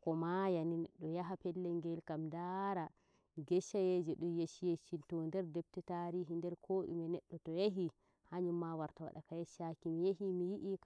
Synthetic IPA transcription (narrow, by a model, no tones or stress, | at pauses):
kɔmajaninɛɗːɔjaɦapɛlːɛŋɡɛlkamdaɾa | ɡɛʃajed͡ʒɛɗɔjeʃijeʃintɔndɛɾdɛb̚tɛtaɾiɦindɛɾkʰoːʔḭmɛnɛɗːɔtɔjeɦi | haɲumːawaɾtawa̰ɗa̰kajɛʃakimijehimijiʔik